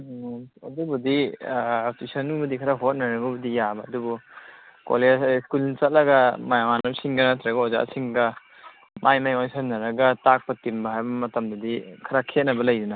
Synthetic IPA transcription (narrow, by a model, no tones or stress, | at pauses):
ɐdubudiː | tisɔnubɐdikʰaɾaɦot̚naɾɐɡubɐdijabɐːdubuko̰leskulnit͡ʃɐt̚lɐɡɐmajamanamsiŋɡanatʰɾaɡɐoza̰ʔsiŋɡɐ | mʔajmajɔjsanːɐɾɐɡɐtak̚pɐtimbɐɦajbɐmɐtɐmdɐdikʰɐɾakʰet̚nɐbɐlɐjduna